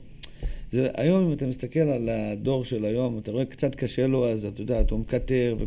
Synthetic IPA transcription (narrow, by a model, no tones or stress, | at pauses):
zeʔa̰jo̞mimat̪amist̪ake̞lalad̪o̞ʁʃe̞lajo̞mat̪aʁo̞ekt͡sat̪kaʃe̞loazat̪jod̪aːt̪umkate̞ʁve